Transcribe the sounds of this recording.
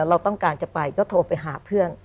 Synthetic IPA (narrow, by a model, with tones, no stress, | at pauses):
ɾa˧wt̪ɔ˥˩ŋkaː˧nt͡ɕa˨˩pa˧jkɔː˥˩t̪ʰoː˧pa˧jɦaː˩˦pʰɯ˥˩ən